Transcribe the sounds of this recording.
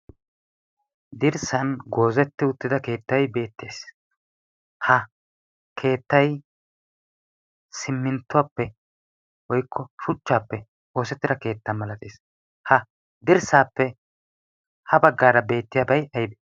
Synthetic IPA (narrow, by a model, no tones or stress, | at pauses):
d̪ɪɾsɐnɡo̞ːzɛt̪ːɪʊt̪ːɪd̪ɐke̞ːt̪ːɐjbe̞ːt̪ːe̞ːs | hɐ | kʰe̞ːt̪ːɐj | sɪmːɪnt̪ːʊwaːpːɛ | wɔjkʰːɔʃʊt͡ʃːaːpːɛ | o̞ːsɛt̪ːɪd̪ɐke̞ːt̪ːɐnmɐlɐt̪ʼḛːs | hɐ | d̪ɪɾsaːpːɛ | hɐbɐɡːaːɾɐbe̞ːt̪ːɪjaːbɐjɐjbe